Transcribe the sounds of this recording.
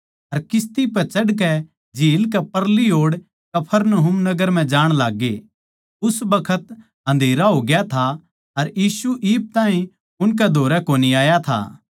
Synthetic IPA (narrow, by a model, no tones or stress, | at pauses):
ɐɾkɪst̪ipɛt͡ʃɐɽk̬ɛ | d͡ʒiːlkɛpɐɾliɦoːɽ | kɐpʰəɾnɐɦʊmnɐɡəɾm̤ɛ̃d͡ʒaːɽ̃laːɡːe | ʊsbɐkʰət̪ | ɦɐ̃nd̪ʱeːɾaɦoːɡɪjat̪ʰa | ɐɾjiːsuʔiːp̚t̪ãːɦĩ | ʊnk̬ɛd̪ʱoːɾɛkoːniaːjat̪ʰa̰ː